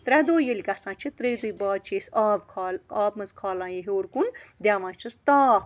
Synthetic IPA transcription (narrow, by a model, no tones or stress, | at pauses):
t̪ɾɛd̪oːjəlʲkɐsãːt͡ʃʰit̪ɾejd̪ujbaːd̪̚t͡ʃʰeːsaːbkʰaːlaːb̚mɐzkʰaːlãːjeɦoːɾkund̪ʲaːʋãːt͡ʃʰɐst̪aː